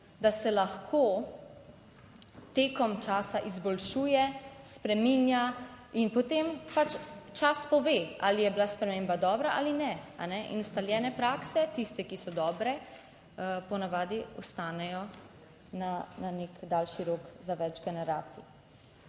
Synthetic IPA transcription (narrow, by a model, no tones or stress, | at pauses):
d̪asɛlaxkʰo | t̪eːkɔmt͡ʃaːsaʔizbɔlʃuːjɛspɾɛmiːnja | inpɔt̪empat͡ʃt͡ʃaspɔʋeːa̰ːlijɛbilaspɾɛmeːmbad̪ɔːbɾaʔalinɛa̰nɛʔḭnust̪aljɛːnɛpɾaːksɛt̪ist̪ɛkisɔd̪ɔːbɾɛ | pɔnaʋaːd̪iɔst̪aːnɛjɔ | nananekd̪alʃiɾoːkzaʋɛd͡ʒɡɛnɛɾaːt̪sḭ